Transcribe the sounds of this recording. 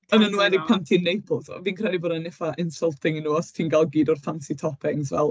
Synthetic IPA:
ənanuːɛdɪɡ̚pʰantʰinːejpʰl̩ˠsɔ̰viːnkʰrɛdiboːdanɪfaʔɪnsəlˠtʰɪŋinuːɔstʰiːnɡalˠɡiːdɔrθʰansitʰɔpʰɪŋzvɛlˠ

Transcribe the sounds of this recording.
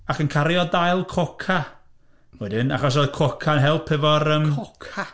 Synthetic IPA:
akənkʰaɾjɔdajlˠkʰɔkʰa | wɛdɪna̰χɔs̬oðkʰɔkʰanɦɛlˠpʰɛvɔɾəmkʰa

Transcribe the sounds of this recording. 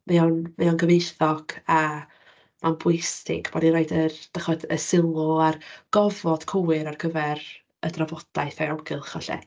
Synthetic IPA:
mɛɔnmɛɔnɡəvejθɔɡ̥a | manbojstɪ̰ɡb̥ɔdiɾajdəd̥aχɔdə̰sɪlˠɔarɡ̥ɔvɔd̥kʰoɨɾarkʰəvɛr | ədravɔd̥ajθaɔɡɪlˠχɔɬɛ̰

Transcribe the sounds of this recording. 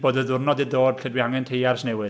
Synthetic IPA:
b̥oːdəðʊrnɔdidoːd̥ɬɛdwiaŋɛntʰejarsnewɨ

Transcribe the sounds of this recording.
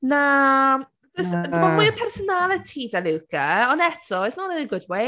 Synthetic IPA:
na | dəsmamiəpʰɛrsɔnalˠətʰidaluwɡəɔnɛtʰɔɪsnɔnɪnəɡʊdwe

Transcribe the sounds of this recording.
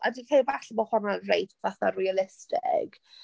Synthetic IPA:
ʔa̰dikʰejvaɬmɔhɔnadrejtʰaθarialɪstɪ̰ɡ̥

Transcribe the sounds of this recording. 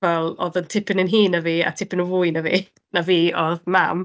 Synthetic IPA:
ɛlˠɔðəntʰɪpʰɪnənɦiːnaviːa̰tʰɪpɪnəvʊɨnavḭː | naviːɔðmam

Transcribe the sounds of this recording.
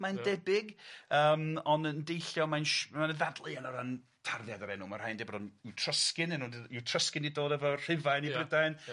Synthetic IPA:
mandɛbɪɡəːmɔnəndejɬjɔmanʃmanəðadlˠɨanɔɾan | tʰarðjadaɾɛnumarhajndɛbɾrɔnɪwtʰr̥əskɪnɛnuːnɪwtʰr̥əskɪnidoːdɛvɔr̥ɪvajnibrɪdajn

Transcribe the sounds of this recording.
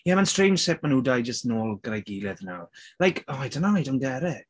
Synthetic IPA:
jamanstrejnd͡ʒ̥sɪp̚manuːdajd͡ʒəstnoːlˠɡəɾajɡiːlɛðnawlajkʰɔajdənaajdɔnɡɛɾɛɡ̥

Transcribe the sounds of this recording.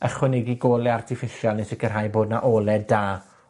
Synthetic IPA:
əχwɛnɛɡiɡoːlˠɛartʰɪfɪʃjalˠnesɪkʰərɦajboːdnaʔoːlˠɛdaː

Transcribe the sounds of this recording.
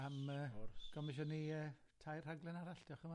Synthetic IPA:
aməːrɡ̥ɔmɪʃ̬ɔniəːtʰajr̥aɡlˠɛnaɾaɬd̥jɔχəma

